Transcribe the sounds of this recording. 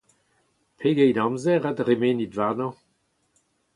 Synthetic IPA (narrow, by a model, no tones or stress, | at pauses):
pʰeɡɛjdɑ̃mzɛʁadʁemeːnidvaʁnɔ̃